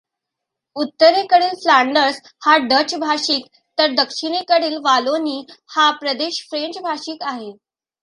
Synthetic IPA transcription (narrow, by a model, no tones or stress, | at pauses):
ut̪ːəɾekəɽiːlflaɳɖəɾs | haɖət͡ɕbʱaɕiːk̪ | t̪əɾd̪əkʂiɽ̃ekəɽiːlʋaloniːhapɾəd̪eɕfɾeɲt͡ɕbʱaɕiːk̪aɦe